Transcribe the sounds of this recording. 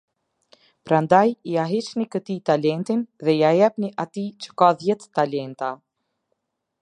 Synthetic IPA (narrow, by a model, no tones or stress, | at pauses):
pɾand̪ajiaɦit͡ʃnikət̪it̪alɛnt̪inðɛiajɛpniʔat̪it͡ʃə̥kaðjɛt̪ːalɛnt̪a